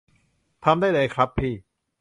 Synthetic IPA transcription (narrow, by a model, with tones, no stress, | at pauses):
t̪ʰa˧mdaː˥˩jda˧jkʰɾa˦˥pʰːiː˥˩